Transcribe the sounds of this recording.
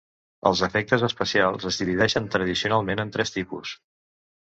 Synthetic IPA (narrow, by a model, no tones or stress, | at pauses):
ə̰lˠzəfɛk̚t̪əzəspəsialˠzəzðiliðɛʃənt̪ɾəðisiunalˠmenənt̪ɾɛst̪ipṵs